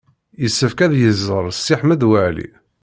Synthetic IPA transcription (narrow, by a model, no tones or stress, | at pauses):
jəsːəfkæðjəzːəɾˤsːiħməd̪wəʕlḭ